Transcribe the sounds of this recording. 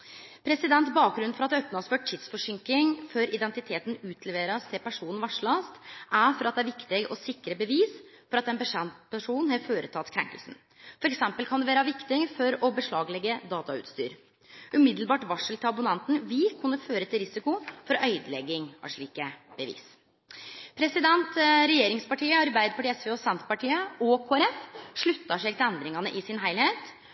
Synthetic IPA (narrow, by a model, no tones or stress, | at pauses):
pʰɾɛsɪd̪ɛnt̪bɑːk̚ɡɾʉnːfɔɾɑt̪ɛœpnɑsføːʈʰːid̪sfɔʂɪŋkɪŋføɾɪd̪ɛnt̪ɪt̪ʰeːt̪n̩ʉːt̪ʰlɛʋeːɾəst̪ʰɪpæʂuːnn̩ʋɑʂɭɑst̪ʔæfɔɾɑt̪̚d̪ɛæɾʋɪkt̪ɪɡɔsɪkːɾəbəʋiːsfɔɾɑt̪ːɛnpəʂɛpæʂuːnhɑføːɾət̪ʰɑt̪ːkʰɾɛ̰ŋkəlsn̩ | fɔɾɛksɛmpəlkʰɑnd̪ɛʋeːɾəʋɪkt̪ɪfɔɾɔbəʂɭɑːɡlɛɡːəd̪ɑːt̪ɑʉ̰t̪st̪y̰ːɾ | ʉmɪd̪l̩bɑːʈʋɑʂəlt̪ʰɪlɑbʊnɛnt̪n̩ʋɪkʰʉnːəføːɾət̪ʰɪlɾɪsɪkʊfɔɾœʏd̪lɛɡːɪŋɑ̰ʂɭiːkəb̥əʋḭːs | pʰɾɛsɪd̪ɛnt̪ɾɛjeːɾɪŋspɑʈiːəɑɾbæɪd̪əpʰɑʈiːɛsʋeːɔsɛnt̪pɑʈiːəɔkʰoːæɾɛfʂɭʉt̪ːɑʂɛɡt̪ɪɛnd̪ɾɪŋɑnəʔɪsɪnɦæɪlheːt̪